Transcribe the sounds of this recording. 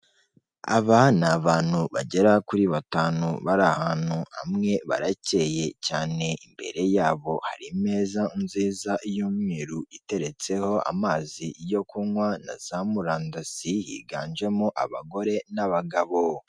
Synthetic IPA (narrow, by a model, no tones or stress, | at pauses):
a̰βanaβaːn̥huβa̰ɟe̞ɾakuɾiβataːnuβaɾahaːn̥huha̰mŋe̞βa̰ɾace̞ːje̞caːne̞imbe̞̰ɾe̞jaːβo̞haɾime̞ːzaumziːzaʔjuːmŋiːɾuite̞ɾe̞t͡se̞ho̞a̰maːzijo̞kuŋwana̰z̥amuɾaːndasijḭːɡa̰ːnd͡ʒe̞muʔaβaɡo̞ɾe̞naβaɡaβo̞